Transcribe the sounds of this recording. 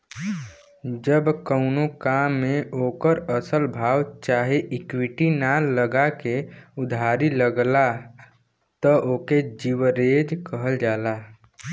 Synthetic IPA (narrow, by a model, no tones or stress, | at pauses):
d͡ʒəbkəʊnokaːmːẽʔoːkəɾəsəlbʱaːwt͡ʃaːɦeʔɪkwiʈinaləɡakeʊd̪ʱaːɾiləɡla | t̪əʔoːked͡ʒiwəɾeːd͡ʒkəɦəld͡ʒaːlaː